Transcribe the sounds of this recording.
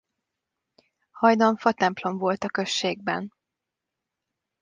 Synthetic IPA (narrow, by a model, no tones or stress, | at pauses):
hɒjd̪ɒɱfɒt̪ɛmplo̞mvo̞lt̪ɒkø̞ʃːeːɡ̚bɛ̰n